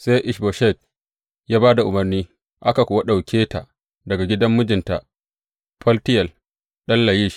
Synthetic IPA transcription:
sa˦jʔɪ˨ʃbo˨ʃɛ˦˨t̚ | jaː˦baː˦da˨ʔʊ˨mɐ˨rniː˦ | ʔa˦ka˨kʷoː˨a˦ɗa˨wkʲʰeː˦ta˨ʔ | dɐ˨ɡa˨ɡʲɪ˦dɐ˦mːʊ˦d͡ʒɪ˨nta˨ʔ | ɸɐ˦ltɪ˦jɐ˨l | ɗɐ˦nla˨jiː˦ʃ

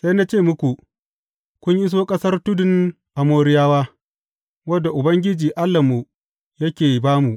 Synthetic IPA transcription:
sa˦jna˦t͡ʃeː˦˨mʊ˦kʷu˨ | kʷʊ˦ɲʔɪ˦s̬oː˦kʼɐ˦sɐ˦rtʊ˦dɪ˨n | ʔa˨moː˦ɾɪ˦jaː˦waː˦ | wɐ˦dːa˨ʔʊ˨bɐ˦ŋɡʲɪ˦d͡ʒiː˨ʔa˦lːɐ˨mu˨ | jɐ˦kʲeː˨baː˦mu˨ʔ

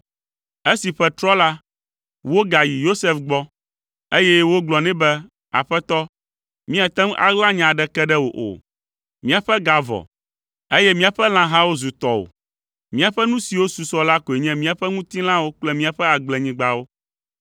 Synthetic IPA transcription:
e˦si˨ɸɛ˦t̪ɾɔ˦la˦ | wo˦ɡa˨ji˨jo˦sɛ˦fɡ͡bɔ˦ | e˦jɛ˦wo˦ɡ͡blɔ˨nɛ̃˦bɛ˦ | a̰˨ɸɛ˦t̪ɔ˦ | mĩ˦a˨t̪ɛ˦m˦a̰˨ɡlã˦ɲã˨ɖɛ˦kɛ˦ɖɛ˦wo̰˨ʔo̰˨ | mĩ˦a˨ɸɛ˦ɡa˨vɔ̰˨ | e˦jɛ˦mĩ˦a˨ɸɛ˦l̃ã˦ɦã˦wo˦zu˨t̪ɔ˦o̰˨ | mĩ˦a˨ɸɛ˦nũ˦si˨wo˦su˨sɔ˦la˦ko˨e˨ɲɛ̃˦mĩ˦a˨ɸɛ˦ŋũ˦t̪i˦l̃ã˦wo˦k͡plɛ˦mĩ˦a˨ɸɛ˦a˨ɡ͡blɛ˨ɲĩ˦ɡ͡ba˦wo˦

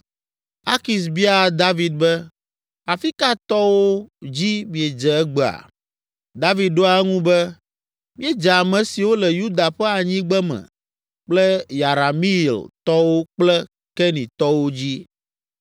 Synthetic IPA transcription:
a˦ki˨s̬bi˦a˨d̪a˦vi˨d̪̚bɛ˦ | a˨fi˦ka˦t̪ɔ˦wo˦d͡ʑi˦mĩ˨ɛ˨d͡ʒɛ˨ɛ˦ɡ͡bɛ˨a̰˨ | d̪a˦vi˨ɖo˦a˨ɛ˦ŋũ˦bɛ˦ | mĩ˦ɛ˦d͡ʒɛ˨a˨mɛ̃˨si˨wo˦lɛ˨ju˦d̪a˨ɸɛ˦a˨ɲĩ˦ɡ͡bɛ˦mɛ̰̃˨ | k͡plɛ˦ja˨ɾa˨mi˦˨lt̪ɔ˦wo˦k͡plɛ˦ | kɛ˦nĩ˨t̪ɔ˦wo˦d͡ʑi˦

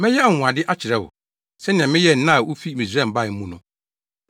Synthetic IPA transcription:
mɪ̃˦jɛ˦˨ʊ̃˨ã˨dɪ˦ʔa˦t͡ɕʰɪ˨ɾɛ˦ʊ̰˨ | sɛ˦nɪ̃˨ɛ̃˨mɪ̃˦jɛ˦n̩˨nã˦˨wʊ˦fi˦mĩ˨sɛ̃˦˨m̩˨ba˦ɪ˨m̩˦mũ˦nʊ̃˦

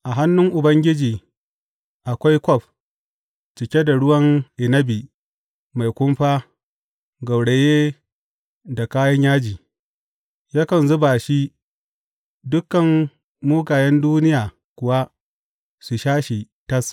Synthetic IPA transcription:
ʔa˨ɦa˦nːʊ˦ŋʔʊ˨bɐ˦ŋɡʲɪ˦d͡ʒiː˨ | ʔa˨kʷa˦jkʷɔ˦˨ɸ̚ | t͡ʃɪ˨kʲe˦da˨ɽʊ˦wɐ˦ŋʔɪ˨nɐ˦bi˨ | ma˨jkʷʊ˦mɸaː˦ | ɡɐ˨wɽe˨jeː˦ | da˨kaː˦jɐ˦ɲjaː˦d͡ʒiː˨ | jaː˦kɐ˨nzʊ˦ba˨ʃi˦ | dʊ˦kːɐ˨ŋ | muː˦ɡaː˨jɛ˦nduː˦nɪ˦jaː˨ | kʷʊ˨wa˦ | su˨ʃaː˦ʃi˨ | tɐ˦s

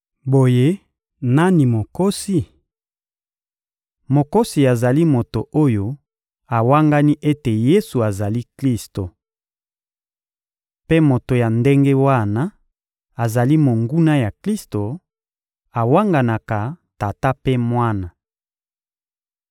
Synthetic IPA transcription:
bo˨je˦ | na˦ni˨mo˨ko˦si˨ | mo˨ko˦si˨a˨za˨li˦mo˨to˨ʔo˦jo˦ | a˨wa˦ŋɡa˦ni˦ʔe˦te˨je˦su˨a˨za˨li˦kli˦sto˨ | pe˦mo˨to˨ja˨nde˦ŋɡe˦wa˦na˦ | a˨za˨li˦mo˨ŋɡu˦na˦ja˨kli˦sto˨ | a˨wa˦ŋɡa˨na˨ka˨ta˨ta˦pe˦mwa˦na˨

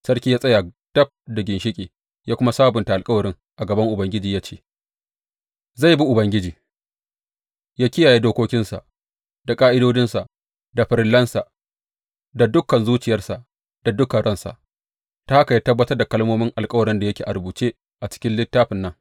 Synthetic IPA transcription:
sɐ˦rkʲiː˦jaː˦sʼɐ˦jaː˨ | d̥ɐ˦b̚da˨ɡʲɪ˨nʃɪ˦kʲʼeː˨ | jaː˦kʷʊ˦ma˦saː˦bʊ˨nta˨ʔa˨lkʼɐ˦wɐ˨ɾɪ˦ŋ | ʔa˨ɡɐ˨bɐ˦ŋʔʊ˨bɐ˦ŋɡʲɪ˦d͡ʒiː˨jaː˦t͡ʃḛː˦ | za˦˨jbi˦ʔʊ˨bɐ˦ŋɡʲɪ˦d͡ʒiː˨ | jaː˦kʲɪ˦jaː˨je˦doː˦kʷoː˦kʲɪ˦nsa̰˨ʔ | d̥a˨kʼaː˦ʔɪ˦doː˦d͡ʒɪ˦nsa˨ʔ | da˨ɸɪ˨ɾɪ˦lːɐ˦nsa˨ʔ | da˨dʊ˦kːɐ˨nzuː˦t͡ʃɪ˨jɐ˦rsa˨ʔ | d̥a˨dʊ˦kɐ˨ɽɐ˦nsa̰˨ʔ | ta˦ha˦ka˨jaː˦tɐ˦bːɐ˦tɐ˦rda˨kɐ˦lmoː˦mɪ˦ŋʔa˨lkʼɐ˦wɐ˨ɾɪ˦nda˨jɐ˦kʲeː˨ʔa̰˨ɾbuː˨t͡ʃeː˦ | ʔa˨t͡ʃɪ̥˦kʲɪ˦nlɪ˦tːaː˦ɸɪ˨nːɐ˦ŋ

